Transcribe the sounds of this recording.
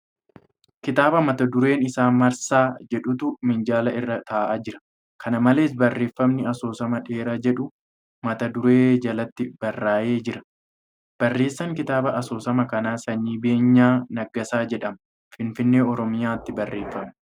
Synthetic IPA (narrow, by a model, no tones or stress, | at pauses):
kɪt̪aːbɐmɐt̪ɐd̪ʊɾe̞ːnɪsaːnmɐɾsaːd͡ʒɛᶑʊt̪ʊmɪnd͡ʒaːlɐɪrːɐt̪aːʔaːd͡ʒɪɾɐ̥ | kʰɐnɐmɐle̞ːs̬bɐrːe̞ːfːɐmnɪɐso̞ːsɐmɐᶑe̞ːɾad͡ʒɛᶑʊ | mɐt̪ɐd̪ʊɾe̞ːd͡ʒɐlɐt̪ːɪb̥ɐrːaːje̞ːd͡ʒɪɾɐ̥ | b̥ɐrːe̞ːsːɐŋkɪt̪aːbɐʔɐso̞ːsɐmɐkɐnaːsɐɲːiːbe̞ːɲːaːnɐɡːɐsaːd͡ʒɛᶑɐmɐ | fɪnfɪnːe̞ːɔɾɔmɪjaːt̪ːɪbɐrːe̞ːfːɐmɪ